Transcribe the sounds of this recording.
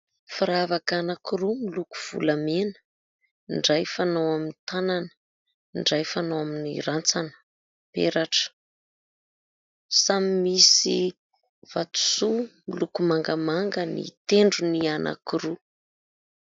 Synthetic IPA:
faɾavakanakiɾumiluku̥v̥ṵlamenə̥ | iɳɖ͡ʐajfanowaminit̪ananə̥ | iɳɖ͡ʐajfanowaminiɾant͡sanə̥ | pḛɾaʈ͡ʂə̥ | samimisi | v̥at̪u̥sumilukumaŋɡamaŋɡənḭt̪eɳɖ͡ʐunianʔa̰kiɾu

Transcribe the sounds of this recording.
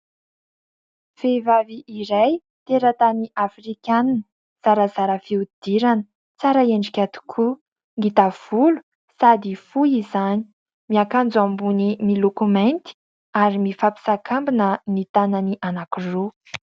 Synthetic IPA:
fevaviʔiɾaj | t̪eɾət̪aniʔafrikʲananə | z̥aɾəz̥aɾəfiud̪̥iɾanə̥ | t͡saɾəeɳɖ͡ʐikʲat̪i̥kʰu | ŋɡit̪av̥ulu̥ | sad̪ifujizani̥ | miakand͡zuambunimilokument̪i̥ | aɾimifapi̥sakʰambinənit̪ananiʔanakiro

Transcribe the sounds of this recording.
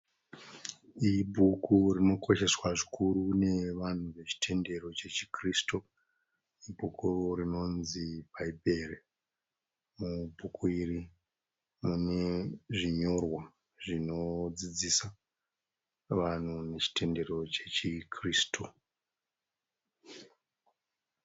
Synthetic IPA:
ibʱukʰurino̞kʰo̞ʃe̞swaʐikʰuɾune̞ʋan̤uʋe̞t͡ʃi̥tʰe̞nde̞ro̞t͡ʃe̞t͡ʃi̥kristo | ibʱukurino̞nzipaibʱe̞re | mubʱukʰuiri | mune̞ʐiɲo̞rwa | ʐino̞d͡zid͡zisa | ʋan̤une̞t͡ʃi̥te̞nde̞ro̞t͡ʃet͡ʃikriːsto

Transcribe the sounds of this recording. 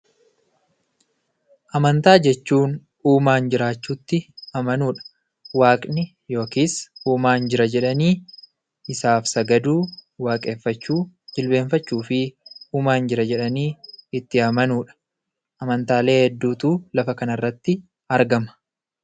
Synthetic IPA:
ʔɐmɐnt̪aːd͡ʒɛt͡ʃːuːn | uːmaːnd͡ʒɪɾaːt͡ʃːuːt̪ːɪɐmɐnuːᶑɐ̥ | waːkʼnɪ | jo̞ːkiːsuːmaːnd͡ʒɪɾɐd͡ʒɛᶑɐniː | ɪsaːfsɐɡɐd̪uːwaːkʼe̞ːfːɐt͡ʃːuːd͡ʒɪlbe̞ːɱfɐt͡ʃːuːfɪuːmaːnd͡ʒɪɾɐd͡ʒɛᶑɐniːɪt̪ːɪɐmɐnuːᶑɐ̥ | ʔɐmɐnt̪aːle̞ːhɛd̪ːuːt̪uːlɐfɐkɐnɐrːɐt̪ːɪ | ɐɾɡɐmɐ̥

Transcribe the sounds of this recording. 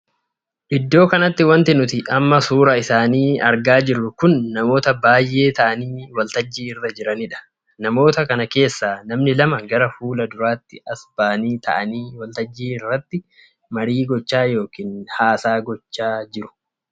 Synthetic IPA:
ʔɪd̪ːo̞ːkɐnɐt̪ːɪwɐnt̪ɪnʊt̪ɪʔɐmːɐsuːɾɐɪsaːniːɐɾɡaːd͡ʒɪɾːʊkʊnːɐmo̞ːt̪ɐbaːjʔːe̞ːt̪ɐʔɐniːwɐlt̪ɐd͡ʒːiːɪrːɐd͡ʒɪɾɐnɪᶑɐ̥ | nɐmo̞ːt̪ɐkɐnɐke̞ːsːaːnɐmnɪlɐmɐɡɐɾɐfuːlɐd̪ʊɾaːt̪ːɪɐsbaːniːt̪ʰɐ̰ʔɐniːwɐlt̪ɐd͡ʒːiːɪrːɐt̪ːɪ | mɐɾiːɡɔt͡ʃːaːjo̞ːkiːnhaːsaːɡɔt͡ʃːaːd͡ʒɪɾʊ̥

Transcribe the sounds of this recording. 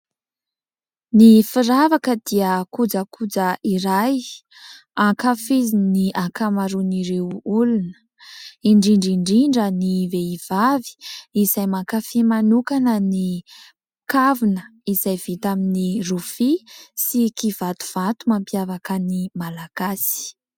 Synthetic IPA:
nifiɾavakəd̪̥iəkud͡zəkʰud͡zəʔiɾaj | aŋkafiziniʔakamaɾuniɾewulunə̥ | iɳɖ͡ʐiɳɖ͡ʐiɳɖ͡ʐiɳɖ͡ʐəniveiv̥avi̥izajmaŋkafimanukanəni | kavunəiz̥ajv̥it̪aminirufisikiv̥at̪u̥v̥at̪umampiavakənimalaɡ̥asi̥

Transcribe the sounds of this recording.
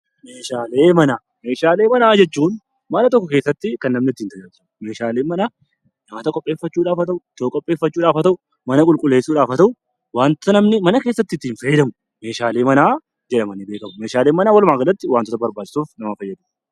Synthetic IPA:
meːʃaːle̞ːmɐnaː | meːʃaːle̞ːmɐnaːd͡ʒɛt͡ʃːuːn | mɐnɐt̪ɔkːɔkeːsːɐt̪ːɪkɐnːɐmnɪɪt̪ːiːnt̪ɐjaːɾ | me̞ːʃaːleːmɐnaː | nɐmɐt̪ɐkʼɔpʼːeːfɐt͡ʃːuːᶑaːfɐt̪ɐʔʊt̪oːkʼɔpʼːe̞ːfːɐt͡ʃːuːᶑaːfɐt̪ɐʔʊ | mɐnɐkʼʊlkʼʊlːe̞ːsːuːᶑaːfɐt̪ɐʔʊ | waːnt̪ɔ̥t̪ɐnɐmnɪmɐnɐke̞ːsːɐt̪ːɪt̪ːɪːnfɐjːɛd̪ɐmʊ | me̞ːʃaːle̞ːmɐnaː | d͡ʒɛᶑɐmɐnɪbe̞ːkɐmʊme̞ːʃaːleːmɐnaːwɐlmaːɡɐlɐt̪ːɪwaːnt̪ɔt̪ɐbɐɾbaːt͡ʃʼːɪ̥suːfnɐmɐfɐjːɐd̪ɐm

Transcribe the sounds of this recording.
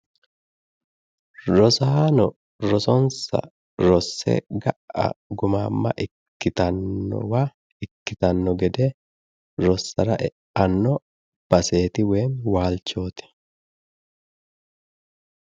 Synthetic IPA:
ɾɔsaːnɔ | ɾɔsɔnsɐ̰ | ɾɔsːɛ̰ɡɐʔɐ̰ɡʊmaːmːɐ̰ʔɪkːɪt̪ɐnːɔ̰wa | ɪkːɪt̪ɐnːɔɡɛd̪ɛ | ɾɔsːɐɾɐʔɛ | ɐnːɔ | b̥ɐse̞ːt̪ɪweːmwaːlt͡ʃːo̞ːt̪ɛ̥

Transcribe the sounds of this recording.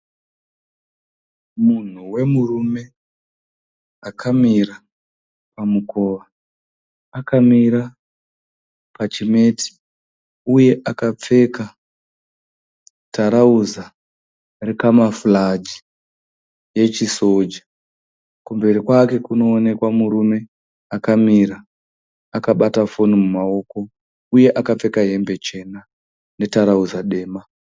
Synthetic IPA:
mun̤uwe̞murume̞ | akʰamira | pamuko̞ːʋaː | kamiɾa | pat͡ʃime̞ːti̥ | uje̞ʔakap͡fe̞ka | taɾauza | rikamafulad͡ʒi | je̞t͡ʃiso̞d͡ʒa | kumbe̞ɾikwake̞kuno̞ːne̞kwamuɾume̞ | akamiɾaː | kaɓatafo̞nimumao̞ːko̞ | uje̞ʔakap͡fe̞kaɦe̞mbe̞t͡ʃe̞na | ne̞taɾauzaɗe̞ːma

